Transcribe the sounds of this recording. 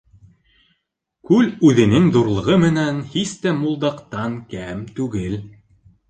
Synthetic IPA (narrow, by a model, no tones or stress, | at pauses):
kʉlʉðɘ̆nɘŋðuɾlˠɤ̆ʁɤmɘ̆nænhist̪æmulˠd̪ɑqt̪ɑŋkæmt̪ʉɡɘl